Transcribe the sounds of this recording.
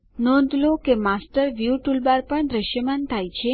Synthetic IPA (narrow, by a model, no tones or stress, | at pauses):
nɔ̃nd̪ʱlokemasʈəɾʋjuʈulbaɾpəɳd̪ɾəʃjəmant̪ʰajt͡ʃʰe